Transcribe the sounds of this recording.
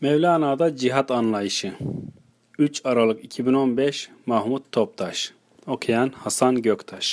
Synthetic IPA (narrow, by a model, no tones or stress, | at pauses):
mɛvlʲaːnaːd̪ad͡ʒiɦat̪anlˠajɯʃɯ | yt͡ʃaɾalˠɯkicʰibino̞nbɛʃmahmut̪ʰːop̚t̪ʰaʃ | okʰejanhasanɟøkt̪ʰaʃ